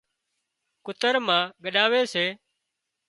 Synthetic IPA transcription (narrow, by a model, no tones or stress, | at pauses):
kʊt̪əɾmãːɠəɗaːʋeːseː